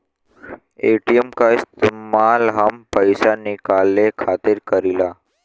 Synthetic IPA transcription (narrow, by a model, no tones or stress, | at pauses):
eʈijemkaist̪imalɦəmpəjsanikalːekʰat̪iɾkəɾila